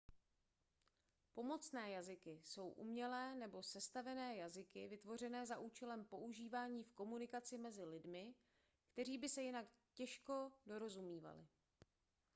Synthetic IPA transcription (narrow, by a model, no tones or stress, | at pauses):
po̞mo̞t͡snɛːjazɪkɪso̞wʔṵmɲɛlɛːnɛbo̞sɛst̪avɛnɛːjazɪkɪvɪt̪vo̞r̝ɛnɛːzaʔuːt͡ʃɛlɛmpo̞ʔuʒiːvaːɲiːfko̞munɪkat͡sɪmɛzɪlɪdmɪ | kt̪ɛɾ̝iːbɪsɛjɪnak | cɛʃko̞do̞ɾo̞zumiːva̰lɪ̰